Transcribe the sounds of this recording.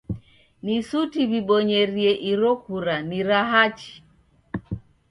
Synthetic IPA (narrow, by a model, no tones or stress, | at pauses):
nisutiβiɓɔɲɛɾiɛʔiɾɔkuɾaniɾaɦat͡ʃi̥